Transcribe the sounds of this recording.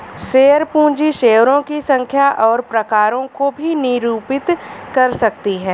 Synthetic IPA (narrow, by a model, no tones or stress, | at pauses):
ʃeːəɾpũːd͡ʒiʃeːʋɾõkisɐ̃ŋkʰjaʔɔːɾpɾɐkaːɾõkobʱinɪɾuːpɪt̪kɐɾsɐk̚t̪iɦɛː